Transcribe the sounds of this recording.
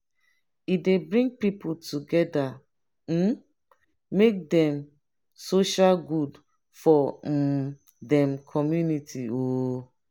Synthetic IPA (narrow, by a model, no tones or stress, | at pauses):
idebɹĩŋɡ̚pipultʰuɡɛda | m̩ | mek̚dɛ̃m | soʃalɡud | fɔ | dɛ̃mkʰɔmjunitʰio